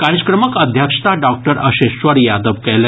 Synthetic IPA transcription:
kaɾəkɾəməkəd̪ʱjəkʂt̪aɖɔk̚ʈəɾəɕeɕʋəɾjad̪əʋkɛle

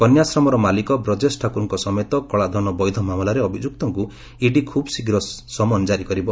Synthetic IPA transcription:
kɔnjasɾɔmɔɾɔmalikɔbɾɔd͡ʒesʈʰakuɾɔŋkɔsɔmejt̪ɔkɔɭad̪ʱɔnɔbɔjd̪ʱɔmamɔlaɾeɔbʱid͡ʒuk̚t̪ɔŋku | iɖikʰubɔsiɡɾɔsɔmɔnd͡ʒaɾikɔɾibɔ

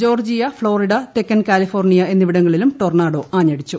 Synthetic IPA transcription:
d͡ʑo̞ːrd͡ʑijɐfɭo̞ːriɽɐt̪ekːɐnkaːlifo̞ːrnijɐe̞nːiʋiɽɐŋːɐɭilumʈornaːɽo̞ʔaːɲːɐɽit͡ɕːu

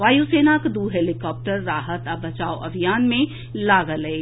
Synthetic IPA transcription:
ʋaːjuseːnakd̪uːɦeːlɪkɔːp̚ʈəɾːaːɦət̪ɐbɐt͡ʃaːoʔɐbʱijaːnmẽ | laːɡəlee

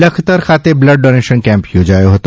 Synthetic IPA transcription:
ɐkʰt̪əɾkʰaːt̪ebləɖɖoːneːʃənkɛ̃ːmpjod͡ʒaːjoɦot̪o

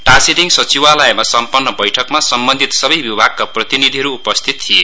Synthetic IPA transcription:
ʈãsiɾiŋsʌt͡siwalʌemasʌmpʌnːʌbʌjʈʰʌkmasʌmbʌnd̪ʱit̪sʌbʌjbibʱaɡ̚kaprʌt̪inid̪ʱiɦʌɾuːpʌst̪ʰit̪t̪ʰije

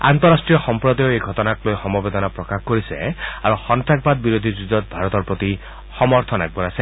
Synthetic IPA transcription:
a̰nt̪ɔɾasʈɹijɔxɔmpɹɔd̪ɔjoejɡʱɔt̪ɔnatlojxɔmɔbed̪ɔnapɹɔkaxkoɹisɛ̰aɹuxɔnt̪ak̚bad̪̚biɾod̪ʱizuzɔt̪̚bʱaɹɔt̪ɔɹpɹot̪i | xɔmɔɹt̪ʰɔna̰ɡ̚bɔnasɛ

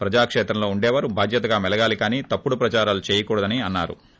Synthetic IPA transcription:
pɾɐd͡ʒaːkʂeːt̪ɾɐmlo̞ːuɳɖɛːʋaːɾubʱaːd̪ʱjɐt̪ɐɡaːmɛlɐɡaːlikaːniːt̪ɐpːuɽupɾɐt͡ʃaːɾaːlut͡ʃeːjɐkuːɽɐd̪ɐniɐnːaːɾṵ

